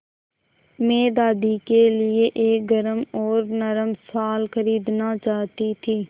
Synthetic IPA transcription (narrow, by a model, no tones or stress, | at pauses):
mẽːd̪aːd̪ikelɪeʔeːk̚ɡəɾəmɔːɾnəɾəmsaːlxəɾiːd̪nat͡ʃaːɦt̪it̪ʰiː